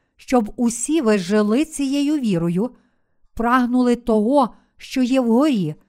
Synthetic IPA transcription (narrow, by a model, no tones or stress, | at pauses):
ʃt͡ʃɔbʊsʲiʋɪʒɪlˠɪt͡sʲijɛjʊʋʲiɾɔjʊ | pɾɑɦnʊlˠɪt̪ɔɦɔ | ʃt͡ʃɔjɛwɦɔɾʲi